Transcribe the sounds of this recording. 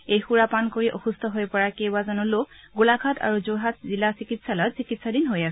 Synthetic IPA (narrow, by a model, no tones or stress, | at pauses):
ejxuɹapankoɹiʔɔxustʰɔɦojpɔɹakewbazɔnɔloɡulakʰatʰa̰ɹuzoɦat̚zilasikitsalatsikitsadinɦojasɛ